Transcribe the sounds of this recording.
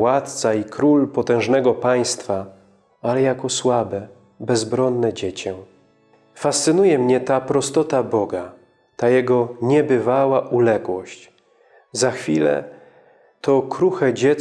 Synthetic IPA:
wat̪t̪saikɾulpɔt̪ɛ̃ʐnɛɡɔpaj̃st̪fa | alɛjakɔswabɛ | bɛzbɾɔnːɛd͡ʑet͡ɕɛ | fast̪sɘnujɛmɲɛt̪apɾɔst̪ɔt̪abɔɡa | t̪ajɛɡɔɲɛbɘvawaʔulɛɡwɔɕt͡ɕ | zaxfʲilɛ̰ | t̪ɔkɾuxɛd͡ʑɛ

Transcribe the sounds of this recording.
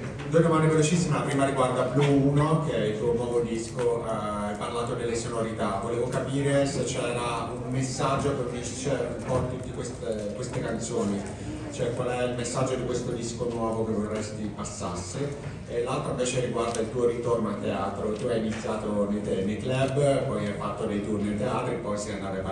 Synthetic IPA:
d̪ued̪omanːd̪evelot͡ʃisːimelapɾiːmaɾiɡward̪abluuːnokeɛilt̪uːonwɔːvod̪iskoa | ajparlaːt̪od̪elːesonoɾit̪avoleːvokapiːɾeset͡ʃːɛːɾaummesːad͡ʒːopeit͡ʃt͡ʃɛipɔnt̪it̪ikwest̪ekwest̪ekant̪soːni | t͡ʃoɛkwalɛilmesːad͡ʒːod̪ikwest̪od̪iskonwɔːvok̟evorːɛst̪ipasːasːe | elalt̪ɾaĩveːt͡ʃeriɡward̪ailt̪uːoɾit̪ornoat̪ːeaːt̪ɾot̪uajinit̪sːjaːt̪onet̪enejklɛbpɔjajfat̪ːod̪ejt̪urnet̪eaːt̪ɾiepːɔjsɛjand̪aːt̪ava

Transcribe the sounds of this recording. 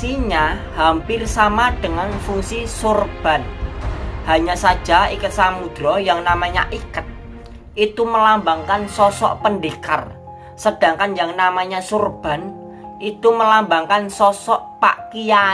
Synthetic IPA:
siɲahampɪrsamaɖ̥ə̤ŋanfuŋsisurb̥a̤n | haɲasad̥ʒ̥a̤ikət̪̚samud̪̥ɾɔjaŋnamaɲaʔikət̪̚ | ʔit̪uməlambaŋkansɔsɔ̰ʔpənɖeka̰r | səd̥a̤ŋkanjaŋnamaɲasurb̥a̤n | ʔit̪uməlambaŋkansɔsɔʔpa̰ʔkija

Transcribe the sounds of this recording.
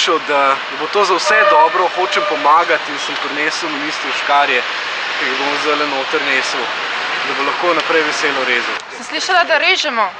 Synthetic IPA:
ʃəwd̪ad̪ɐbot̪oːzɐwsɛd̪ɔːbɾɔxoːt͡ʃɛmpɔmaːɡat̪insəmpɾneːsəwminiːst̪ɾuʃkaːɾjɛ | kɛiɣbomɔzd̪alɛnoːt̪əɾneːsəw | d̪ɐbolɐxkoːnɐpɾɛjʋɛseːlɔɾeːzusəmsliːʃalad̪aɾeːʒɛmɔ

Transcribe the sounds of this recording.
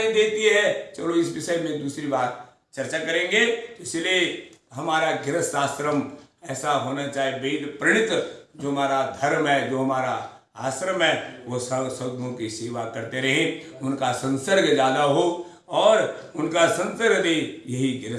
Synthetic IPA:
id̪eːt̪iɦɛt͡ʃɐloɪs̬ʋɪʃəjmẽd̪uːsɾibaːt̪̚ | t͡ʃɐɾt͡ʃakɐɾẽːɡet̪oɪslieɦɐmaːɾaɡɪɾəsaːsɾəmɛːsaɦoːnat͡ʃaːiebeːd̪pɾɪɽ̃ɪt̪d͡ʒoːɦmaːɾad̪ʱɐɾmɦɛd͡ʒoːɦɐmaːɾa | aːsɾəmɦɛʋosəsəõkiseːʋakɐɾt̪eɾɐɦẽʊnkasə̃nsəɾɡd͡ʒjaːd̪aɦo | ɔːɾʊnkasə̃nsəɾɡd̪ejɐɦiɡɪɾə

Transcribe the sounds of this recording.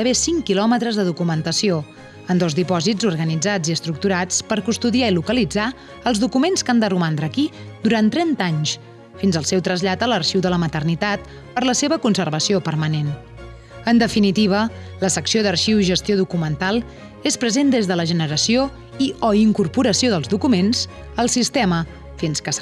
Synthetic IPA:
əβesiŋkilɔmət̪ɾəzðəðukumənt̪əsio | ənd̪ozðipɔzid͡zuɾɣənid͡zad͡ziəst̪ɾuk̚t̪uɾat͡spəɾkust̪uðiailukəlid͡za | əlˠzðukumenskand̪ərumand̪ɾəkid̪uɾant̪ɾɛnt̪aɲs | finzəlˠsɛwt̪ɾəzʎat̪ələɾʃiwðələmət̪ərnit̪at̪̚ | pəɾləseβəkunsəɾβəsiopəɾmənen | ənd̪əfinit̪iβ̞ə | ləsəksioðəɾʃiwiʒəst̪ioðukumənt̪alˠ | espɾəzend̪ezðələʒənəɾəsio | iɔiŋkuɾpuɾəsioðəlˠzðukumens | əlˠsist̪ɛmə | finskəs

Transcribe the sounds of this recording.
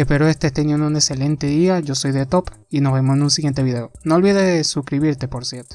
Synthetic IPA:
ehpe̞ɾoest̪est̪enjenunekse̞le̞nt̪eðiaʝo̞so̞jðet̪o̞pino̞zβemosenuns̬iɣjent̪e̞βiðe̞onoːlβiðeðesukɾiβiɾt̪e̞poɾsje̞ɾt̪o̥

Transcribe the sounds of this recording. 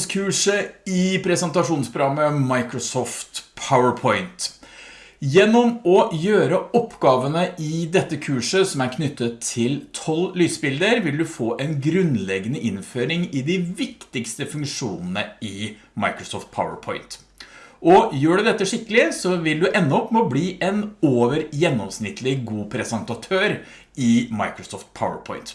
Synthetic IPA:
skʰʉːʂəɪpʰɾɛsɛnt̪ɑʂuːnspʰɾʊɡɑmːəmɑɪkɾɔsɔːft̪pʰaʊəɹpʰɔɪnt̪ | jɛnːɔmɔjøːɾəɔpːɡɑːʋənəʔɪd̪ɛt̪ːəkʰʉːʂəsɔmæɾkʰnʏt̪ːət̪ʰːɪlt̪ʰɔllyːsbɪld̪əɾʋɪld̪ʉfoːʔɛnɡɾʉnlɛɡənəʔɪnføːɾɪŋɪd̪ɪʋɪkt̪ɪkst̪əfʉŋkʂuːnən̩əɪ | mɑɪkɾɔsɔːft̪̚pʰa̰ʊə̰ɾpʰɔʏnt̪ | ʔɔjøːɖʉd̪ɛt̪ːəʂɪkːəlɪsɔʋɪld̪ʉʔɛnːɔɔpːmobliːʔɛnoːʋəɾjɛnːɔmsnɪt̪ʰːlɪɡuːpʰɾɛsɛnt̪ɑt̪ʰøːɾ | ɪmɑɪkɾɔsɔːft̪̚pʰaʊə̰ɹpʰɔ̰ɪnt̪

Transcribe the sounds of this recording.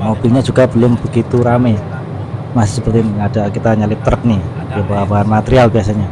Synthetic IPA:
mob̥ilɲad͡ʒuɡabəlʊmbəɡit̪uɾamɛ | masɪhsəpərt̪iniadakit̪aɲalɪp̚t̪əɾək̚ni | iabaɦabaɦanmat̪eɾialbias̬aɲa

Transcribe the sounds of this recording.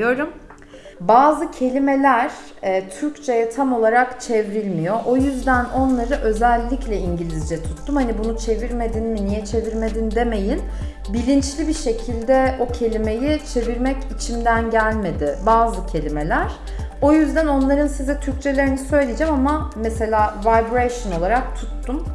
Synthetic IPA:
d̪o̞ɾum | baːzɯcʰe̞lʲime̞lʲæɾ̥ | ɛːt̪ʰyɾct͡ʃʰe̞jɛt̪ʰamo̞lˠaɾakt͡ʃʰevɾilʲmijo̞ʔojyzd̪æno̞nlˠaɾɯʔø̞zælʲːiclʲɛiɲɟilʲizd͡ʒɛt̪ʰu̥t̪ːumhanibunut͡ʃʰe̞viɾme̞d̪inminijɛt͡ʃʰe̞viɾme̞d̪ind̪e̞me̞jin | bilʲint͡ʃlʲibiʃe̞cʰilʲd̪ɛo̞cʰe̞lʲime̞jit͡ʃʰe̞viɾmɛcit͡ʃʰimd̪ænɟælʲme̞d̪ɪbaːzɯcʰe̞lʲime̞lʲæɾ̥ | o̞jyzd̪æno̞nlˠaɾɯnsizɛt̪ʰyɾc̚t͡ʃʰe̞lʲe̞ɾinisø̞jlʲijd͡ʒɛmamamɛse̞lʲaːvajbɾeʃono̞lˠaɾak̚t̪ʰut̪ːum

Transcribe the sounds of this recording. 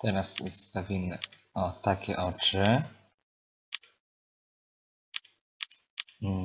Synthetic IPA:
t̪ɛɾasust̪avʲimɘɔt̪akʲɛʔɔt͡ʂɘ

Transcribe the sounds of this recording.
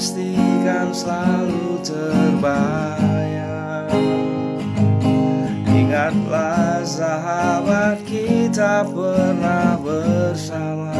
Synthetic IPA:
st̪ikansəlalu | t̪ərba | ja | ikat̪̚lasaɦabat̪̚kit̪ab̚bərnabərsama

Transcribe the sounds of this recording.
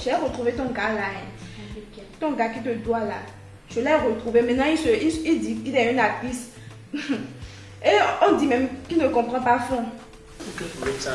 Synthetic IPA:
ʒɛʁət̪ʁuvet̪ɔ̃ɡalaɛ̃ | t̪ɔ̃ɡakit̪əd̪wala | ʒəlɛʁət̪χuvemɛ̃nãisəiid̪iilɛynapis | eɔ̃d̪imɛ̃mkinəkɔ̃pχɑ̃pafɔ̃

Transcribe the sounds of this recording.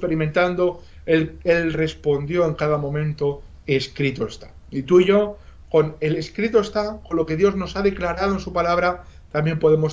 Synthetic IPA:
pe̞ɾimẽ̞nt̪and̪o̞ | elelre̞spo̞nd̪jo̞e̞ŋkaðamõ̞mẽ̞nt̪o̞ | eskɾit̪oest̪ḁ | it̪uiʝo̞ko̞ne̞le̞skɾit̪oe̞st̪ako̞nlo̞ke̞ðjo̞zno̞saðe̞klaɾaðoensupalaβ̞ɾat̪ambje̞mpo̞ðe̞mo̞s

